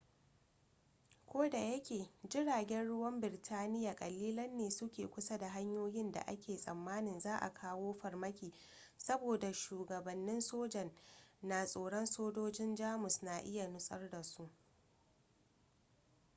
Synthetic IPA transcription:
kʷoː˦da˨jɐ˦kʲeː˨d͡ʒɪ˦ɽaː˨ɡʲɛ˦nɽʊ˦wɐ˦mbɪ˨ɾtʰaː˦nɪ˦ja˨kʼɐ˨liː˦lɐ˦nːeː˨sʊ˦kʲeː˨kʷʊ˦sa˦da˨ɦa˦ɲjoː˦jɪ˦nda̰˨ʔa̰˦kʲʰeː˨sʼɐ˨mːaː˦nɪ˨nzaː˦ʔa̰˨kʰaː˦woː˦ɸɐ˨rmɐ˦kʲiː˨ | sɐ˦boː˨da˨ʃuː˨ɡɐ˨bɐ˨nːɪ˦nsoː˦d͡ʒɐ˨nːa˨sʼoː˨ɽɔ˦nsoː˦d͡ʒoː˦d͡ʒɪ˦nd͡ʒaː˦mʊ˨sna˨ʔɪ˦ja˨nʊ˦sʼɐ˦rda˨su˦ʔ

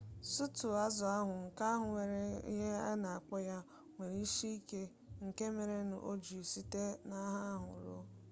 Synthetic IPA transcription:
su˦tʊ˨a˦zʊ˨a˦ɦʊ˨ŋ̩˨ka˦ɦʊ˨ŋʷe˨ɾe˦ɦe˦a˦na˨a˨k͡pɔ˦ja˦ | ŋʷe˨ɾi˦ʃi˦i˦ke˦ | ŋ̩˨ke˦me˨ɾe˦nʊ̰˨ʔo˦d͡ʒu˨e˨si˦te˦na˦ɦa˦ɦʊ̰˨ɾo̰˦

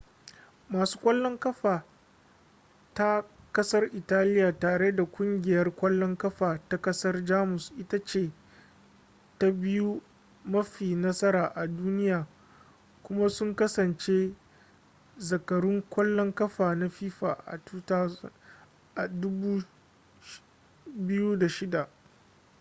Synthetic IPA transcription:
maː˨su̥ː˦kʷʼɐ˦lːɔ˦ŋkɐ˦ɸaː˨ | ta˦ | kɐ˦sɐ˦rʔɪ˨taː˦lɪ˦jaː˨taː˨ɽe˦da˨kʷʼʊ˦ŋɡʲɪ˨jɐ˦rkʷɐ˦lːɔ˦ŋkɐ˦ɸaː˨ta˦kɐ˦sɐ˦rd͡ʒaː˦mʊ˨sʔɪ˦ta˦t͡ʃeː˨ | ta˦bɪ˦ju˦ | mɐ˦ɸiː˨nɐ˦sɐ˦ɾaː˨ʔa˨duː˦nɪ˦jaː˨ | kʷʊ˦ma˦sʊ˦ŋkɐ˦sɐ˨nt͡ʃe˦ | zɐ˨kɐ˨ɾʊ˦ŋkʷɐ˦lːɔ˦ŋkɐ˦ɸaː˨na˦ɸiː˦ɸaː˨ʔa̰˨tu˦taː˦ | ʔa˨dʊ˦buː˦ | bɪ˦ju˦da˨ʃɪ˦da˨ʔ

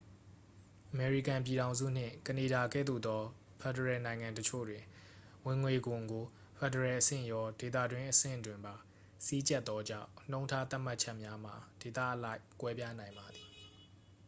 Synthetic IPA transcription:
ʔəmɛ˨ɹi˦˨kã˨mp̬ji˨ɾã˨ʊ̃zṵ˦˨n̥ɪ̰̃˦˨kəne˨da˨ɡɛ̰˦˨d̪ṵ˦˨d̪ɔ˦ | pʰɛ˨dəɹɛ˨nã˨ɪ̃ŋã˨ntət͡ɕʰo̰˦˨dwɪ̃˨ | wɪ̃˨ŋwe˨ɡʊ̃˨ŋɡo˨ | pʰɛ˨dəɹɛ˨ʔəsɪ̰̃˦˨jɔ˦de˨t̪̬ä̰˦˨dwɪ̃˦ʔəsɪ̰̃˦˨dwɪ̃˨mba˨ | si˦t͡ɕɛ˦t̪ːɔ˦d͡ʑã̰˦˨ʊ̃ʔn̥õ˦ʊ̃ntʰa˦t̪a˦ʔm̥a˦ʔt͡ɕʰɛ˦ʔmja˦m̥a˨d̥e˨t̪ä̰˦ʔəla˦ɪʔkwɛ˦pja˦nã˨ɪ̃mba˨d̪i˨

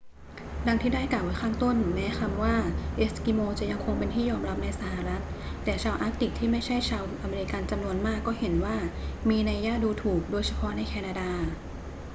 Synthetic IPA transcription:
da˧ŋt̪ʰiː˥˩daː˥˩jklaː˨˩wa˨˦jkʰaː˥˩ŋt̪o˥˩nmɛː˦˥kʰa˧mwaː˥˩ʔe˦˥skiː˧moː˧t͡ɕa˨˩ja˧ŋkʰo˧ŋpe˧nt̪ʰiː˥˩jɔː˧mɾa˦˥p̚na˧jsa˧˩ha˨ɾa˦˥t̪̚ː | ɛː˨˩t͡ɕʰaː˧wʔa˦˥k̚t̪i˨˩k̚t̪ʰiː˥˩ma˥˩jt͡ɕʰa˥˩jt͡ɕʰaː˧wʔa˧meː˧ɾi˧˥ka˧nt͡ɕa˧mnu˧ənmaː˥˩kːɔː˥˩he˩˦nwaː˥˩miː˧na˧jːaː˥˩t̪̚duː˧t̪ʰuː˨˩k̚doː˧jsʰa˧pʰɔ˦˥na˧jkʰɛː˧naː˧daː˧

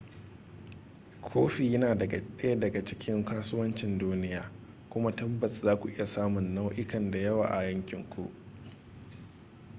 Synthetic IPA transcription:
kʷʰoː˦ɸi˨jɐ˦naː˨ɗɐ˦jɐ˦dɐ˨ɡa˨t͡ʃɪ˦kʲɪ˦ŋkaː˦sʊ˦wɐ˦nt͡ʃɪ˨nduː˦nɪ˦jaː˨ | kʷʊ˦ma˦tɐ˦bːɐ˨szaː˦kʷu˨ʔɪ˦ja˨saː˦mʊ˨nːa˦wʔɪ˦kɐ˨nda˨jɐ˦wa̰ː˨ʔa˨jɐ˦ŋkʲɪ˨ŋkʷṵ˦ʔ

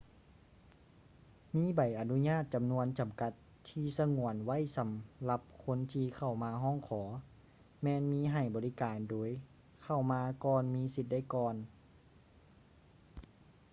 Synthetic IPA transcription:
miː˧˥˨ba˨˩jʔa˨˩nu˧˥ɲaː˥˩t̪̚t͡ɕa˨mnu˧ənt͡ɕa˨mka˧t̪̚ʰːiː˧sa˧ŋu˧˩ənwa˥˩˨jsa˨˦mla˧p̚kʰo˧˥nt̪ʰiː˧kʰa˧˩wmaː˧ɦɔː˥˨ŋkʰɔː˩˦ | mɛː˧nmiː˧˥ɦa˧˨˩jbɔː˨li˦˥kaː˨ndoː˨˦j | kʰa˧˩wmaː˧kɔː˧nmiː˧˥si˧t̪̚da˥˩jkɔː˧n

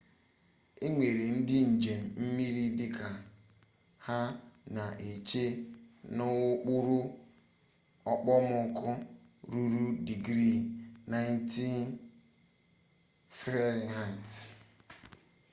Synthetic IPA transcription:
e˦ŋʷe˨ɾe˨n̩˦dɪ˦n̩˨d͡ʒe˨m̩˨m̩˦mi˦ɾi˦dɪ˦ka˨ | ha˦na˨ʔe˨t͡ʃe˦nʊ˦ʊ˦k͡pʊ˦ɾʊ˦ | ɔ˦k͡pɔ˦mʊ˦kʊ˦ | ɾu˦ɾu˦di˨ɡɾi˦˨na˦jn˦ti˦n | fi˦ɾi˨ɦa˦˨t

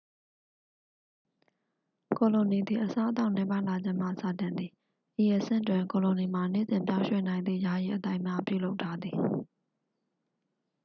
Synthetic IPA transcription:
ko˨lo˨ni˨d̪i˨ʔəsa˦ʔət̪̬a˦ʊ̃nɛ˨pa˦ɪ̃la˨d͡ʑɪ̃˦m̥a̰˦˨sa̰˦˨tɪ̃˨nd̪ði˨ | ʔi˨jɛ˨sɪ̰̃˦˨twɪ̃˨ko˨lõ˨ni˨ma˨nḛ˦˨zɪ̃˨mpjã˦ʊ̃ʃwɛ̰˦˨nã˨ɪ̃nd̪ðḭ˦˨ja˨jḭ˦ʔət̪ã˦ɪʔmja˦pjṵ˦˨lo˦ʊtʰːa˦d̪ði˨

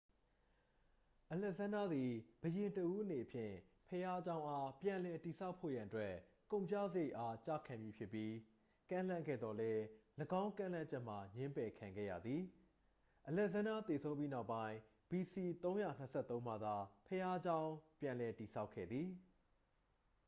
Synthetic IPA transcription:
ʔəlɛ˦ʔsã˦nda˦d̪i˨b̥əjɪ̃˨ntəʔu˦ʔəne˨əpʰjɪ̰̃˦˨pʰəja˦d͡ʑã˦ʊ̃ʔa˦pjã˨lɛ˨ti˨sʰa˦ʊpʰːo̰˦˨jã˨ʔə˨twɛ˦kõ˨ʊ̃ɲt͡ɕa̰˦˨zə˦je˦ɪʔa˦t͡ɕa̰˦˨kʰã˨mji˦pʰjɪ˦pːji˦ | kã̰˦˨l̥ã˦˨ŋɡɛ̰˦˨d̪ðɔ˨lɛ˦ləɡã˦ʊ̃ŋkã̰˦˨l̥ã˦˨t͡ɕɛ˦ʔm̥a˨ɲɪ̃˦mpɛ˨kʰã˨ŋɡɛ̰˦˨jä̰˦˨d̪ði˨ | ʔəlɛ˦ʔsã˦nda˦t̪e˨sʰõ˦ʊ̃pji˦na˦ʊpːã˦ɪ̃ | b̥i˨si˨t̪õ˦ʊ̃ja̰˦˨n̥əsʰɛ˦˨t̪ːõ˦ʊ̃m̥a˦˨d̪a˨pʰəja˦d͡ʑã˦ʊ̃pjã˨lɛ˨ti˨sʰa˦ʊkʰːɛ̰˦˨d̪ði˨

